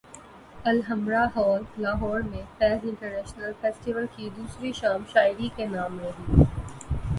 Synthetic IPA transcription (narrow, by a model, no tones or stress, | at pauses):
ɐlɦɐmɾaɦɔːɾlaːɦɔːɾmẽpɛːsɪ̃ɳʈəɾnɛːʃnəlfeːsʈiʋəlkid̪uːsɾiʃaːmʃaːɪɾikenaːmɾɐɦiː